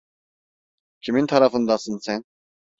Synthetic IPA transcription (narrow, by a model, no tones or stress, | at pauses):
kʰimint̪ʰaɾafənd̪asɨnt͡sʰɛn